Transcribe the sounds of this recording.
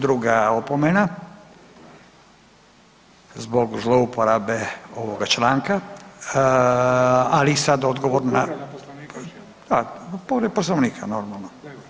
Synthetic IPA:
d̪ɾuɡaopomena | zbo̞ɡzlˠoupoɾabeo̞ʋo̞ɡat͡ʃlaːŋka | alisad̪o̞d̪ɡoʋoɾna | d̪apoɾed̪̚posloʋnikʰa̰no̞ɾmalno

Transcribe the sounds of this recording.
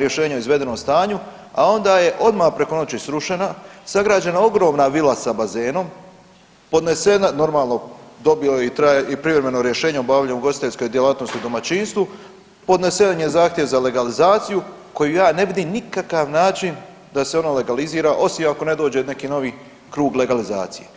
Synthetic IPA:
ɾje̞ʃe̞ːɲeoizʋe̞d̪e̞nomst̪aːɲu | ao̞nd̪aːje̞ʔo̞d̪mapɾe̞ko̞no̞t͡ɕisɾuʃe̞nasaɡɾaːd͡ʑenao̞ɡɾo̞ːmnaʋilasabaze̞ːno̞m | po̞d̪ne̞senano̞ɾmaːlˠno̞d̪o̞bilait̪ɾajeʔipɾivɾeme̞noɾje̞ʃe̞ːɲeobaːʋʎamuɡo̞si̥t̪e̞ʎsko̞jd̪jelaːt̪no̞st̪iud̪o̞mat͡ɕinst̪ʋu | po̞d̪ne̞seanjezaːxt̪je̞ʋzale̞ɡalizaːt̪sijuko̞jujaːne̞ʋid̪iːmnikakaʋnaːt͡ʃin | d̪aseo̞nole̞ɡaliziːɾaʔo̞simako̞ne̞d̪o̞ːd͡ʑe̞ne̞kiːno̞ʋi | kɾuːɡle̞ɡaliza̰ːt̪sije

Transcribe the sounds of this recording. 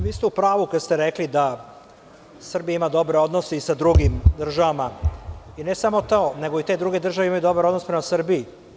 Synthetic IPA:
ʋiːst̪eupɾaːʋukad̪st̪eɾeklid̪a | sr̩bijaimad̪o̞bɾeo̞d̪no̞seisad̪ɾuɡimd̪r̩ʒaʋamaine̞samo̞t̪oone̞ɡoit̪ed̪ɾuɡe̞d̪r̩ʒaʋeimajud̪o̞baɾod̪nospɾe̞masr̩biː

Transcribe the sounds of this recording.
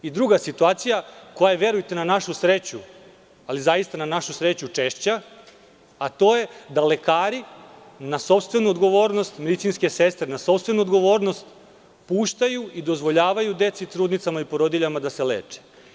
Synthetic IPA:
id̪ɾuɡasit̪uaːt̪sijako̞jaeʋje̞ɾujt̪e̞nanaʃusɾet͡ɕu | alizajist̪ananaʃusɾet͡ɕut͡ʂeʃt͡ɕa | at̪o̞ːje̞d̪ale̞kaːɾi | naso̞pst̪ʋe̞nuod̪ɡo̞ʋo̞ːɾno̞st̪med̪it̪sinske̞sest̪ɾenaso̞pst̪ʋe̞nuod̪ɡo̞ʋo̞ːɾno̞st̪ | puːʃt̪ajuid̪o̞zʋo̞ʎaːʋajud̪e̞t̪sit̪ɾuːd̪nit̪samaipo̞ɾod̪iʎamad̪aseleːt͡ʂe̥

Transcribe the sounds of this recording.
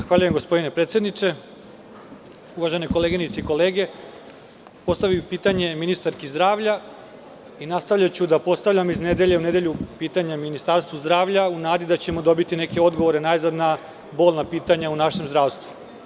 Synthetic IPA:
zaxʋaːʎuje̞mɡo̞spo̞d̪ine̞pɾet̪sje̞d̪nit͡ʂe̞ | uvʋaʒe̞neko̞leːɡinit̪seiko̞leːɡe̞ | po̞st̪aʋipiːt̪aɲe̞minist̪aɾkizd̪ɾaːʋʎa | inast̪aʋʎat͡ɕud̪apo̞st̪aʋʎamizned̪eʎeuned̪e̞ʎupiːt̪aɲaminist̪aɾst̪vʋuzd̪ɾaːʋʎaunaːd̪id̪at͡ɕe̞mod̪o̞bit̪ine̞ke̞o̞d̪ɡo̞ʋo̞ɾenajzad̪na | bo̞ːlˠnapiːt̪aɲaunaʃemzd̪ɾaːʋst̪ʋu

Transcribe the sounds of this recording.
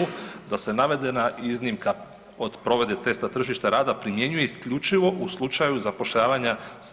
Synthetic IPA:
ud̪ase̞naʋe̞d̪e̞naiznimka | od̪pɾo̞ʋe̞d̪e̞t̪e̞st̪at̪r̩ʒiʃt̪aɾaːd̪apɾimje̞ɲuje̞iskʎut͡ʃiʋo̞ʔuslˠut͡ʃajuzapo̞ʃʎaːʋaɲas

